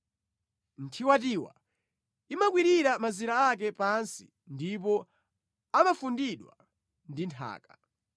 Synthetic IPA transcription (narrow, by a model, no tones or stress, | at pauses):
n̩tʰiwatiwa̰ | imak̬wiɾiɾamaziɾaak̬ɛpansi̥̰ | ndip̬ɔ | amafundiɗwa̰ | ndintʰa̰ːkḁ